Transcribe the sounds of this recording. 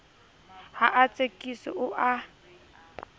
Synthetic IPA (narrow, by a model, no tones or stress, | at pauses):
haʔat͡sʼekʼisɔ̰ʔʊʔa